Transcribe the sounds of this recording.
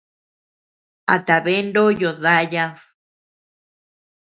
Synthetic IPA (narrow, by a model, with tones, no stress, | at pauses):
a̰˨t̪a˨βe˦nɖo˦jo˨ða˦ja˦ð